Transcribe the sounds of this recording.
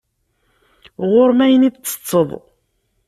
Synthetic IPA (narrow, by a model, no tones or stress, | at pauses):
ʁʊɾmæjənid̪t͡sːə̥t͡sˤːəðˤ